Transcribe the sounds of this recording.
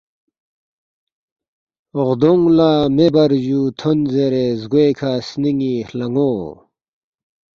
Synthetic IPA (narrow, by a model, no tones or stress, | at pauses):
oʁd̪oŋlaːmebɐɾʑut̪ʰonzeɾezɡekʰasniŋihlɐŋoː